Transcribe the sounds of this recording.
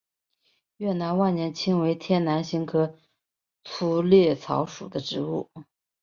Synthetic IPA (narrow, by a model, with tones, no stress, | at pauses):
ɥɛ˥˩na˧˥nwa˥˩nnjɛ˧˥nt͡ɕʰi˥ŋwe˧˥ɪt̪ʰjɛ˥˩nna˧˥nɕi˧˥ŋkʰɤ˧˥ | t͡sʰu˧˥ljɛ˥˩t͡sʰɑ̰˧˥ʊʂṵ˨˩d̪ə˦ʈ͡ʂɻ̩˧˥u˥˩